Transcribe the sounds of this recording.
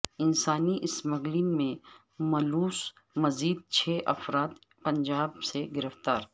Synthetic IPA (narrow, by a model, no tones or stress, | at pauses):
ɪnsaːniʔɪsmɐɡlinmẽ | mɐluːs | mɐziːd̪̚t͡ʃʰɛːʔɐfɾaːt̪ | pɐ̃ɲd͡ʒaːbseɡɪɾəft̪aːɾ